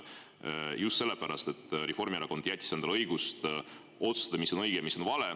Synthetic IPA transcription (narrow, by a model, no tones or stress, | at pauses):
just̪se̞lːepæɾɑst̪e̞t̪ːˑɾefo̞rmieɾɑko̞nd̪̥jæt̪ʲˑːisend̪ɑlɤjɡ̥ust̪ | o̞t̪su̥st̪ɑd̪ɑmisːo̞nɤjɡ̥emiso̞nvɑle